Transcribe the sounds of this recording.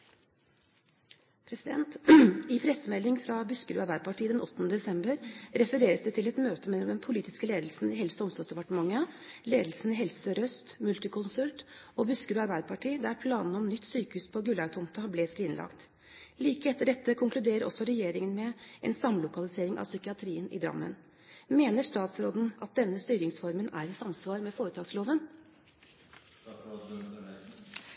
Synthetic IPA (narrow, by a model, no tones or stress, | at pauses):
pʰɾɛsɪd̪ɛ̰nt̪ɪpʰɾɛsəmɛlːɪŋfɾɑbʉskəɾʉːɑɾbæɪəpʰɑʈʰiːd̪ɛnʔɔt̪ːənəd̪ɛsɛmbəɾɾɛfəɾeːɾəsd̪ɛt̪ʰɪlɛt̪møːt̪əmɛlːɔmd̪ɛnpʰʊliːt̪ɪ̥skəleːd̪lsn̩ɪɦɛlsɔɔmst̪ɔsd̪ɛpɑʈəmɑŋːəleːd̪l̩sn̩ɪɦɛlsəɾœst̪mʉlt̪əkʰʊnsʉlt̪ɔbʉskəɾʉːɑɾbæɪd̪əpʰɑʈʰiːd̪æɾpʰlɑːnn̩ɔmnʏt̪ːsyːkəhʉːspʰɔɡʉlɑʉt̪ʰɔmt̪ɑblɛsɾiːnlɑ̰kt̪ | liːkəɛt̪ːəɖɛt̪ːəkʰʊŋklʉd̪eːɾəɾʔɔ̰sːɔɾɛjeːɾɪŋənmɛʔɛ̰nsɑmlʊkɑlɪseːɾɪŋʔɑ̰ʋsʏkɪɑt̪ʰɾiːənɪ̰d̪ɾɑ̰mːə̰n | meːnəʂt̪ɑːt̪sɾoːd̪n̩ʔɑt̪̚d̪ɛnːəst̪yːɾɪŋsfɔɾmənæ̰ɾɪsɑmsʋɑːɾmɛfoːɾət̪ʰɑːɡsloːʋən